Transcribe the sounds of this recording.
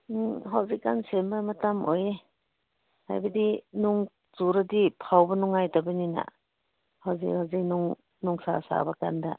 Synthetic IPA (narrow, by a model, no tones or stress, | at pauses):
ɦawzikːansembamatamʔoje | ha̰jbadinuŋ | zuɾadipʰawbanuŋːajtabanina̰ | hawzikhawzik̚nuŋ | nuŋsa̰sa̰baka̰nda